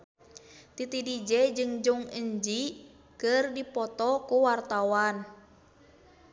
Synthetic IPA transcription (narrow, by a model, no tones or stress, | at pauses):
t̪it̪idid͡ʒɛd͡ʒɨŋd͡ʒuŋəɲd͡ʒi | kɨrdipɔt̪ɔkuwart̪awan